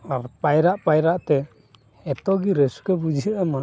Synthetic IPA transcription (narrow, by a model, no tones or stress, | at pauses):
aɾpajɾaʔpajɾaʔt̪ɛ | ɛt̪ɔɡiɾɛsu̥kɛbud͡ʒiəʔama